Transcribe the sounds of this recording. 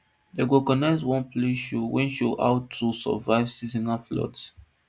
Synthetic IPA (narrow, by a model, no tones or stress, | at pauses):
deɡokɔnaɪswɔ̃npleʃowʔɛ̃nʃoa̰ʊtʰːusɔ̰vaɪvsizĩnaflɔ̰t